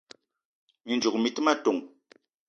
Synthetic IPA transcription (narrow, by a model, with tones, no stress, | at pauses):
mi˨nd͡ʒu˨k̚mi˨tɨ˦ma˦to˨ŋ